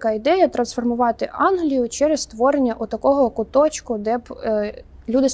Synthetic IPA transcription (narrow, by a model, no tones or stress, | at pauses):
kɑid̪ɛjɐt̪ɾɐnsfɔrmʊʋɑt̪ɪʔɑnɦlʲijʊt͡ʃɛɾest̪ʋɔɾenʲːɐʔut̪ɐkɔɦɔkʊt̪ɔt͡ʃkʊd̪ɛb | lʲud̪ɪs